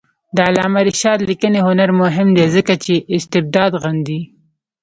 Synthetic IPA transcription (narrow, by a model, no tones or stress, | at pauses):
d̪əalɑːmaɾɪʃɑd̪likəneɦʊnaɾmʊɦɪmd̪ezəkat͡ʃeʔɪst̪ɪb̚d̪ɑd̪ɣand̪i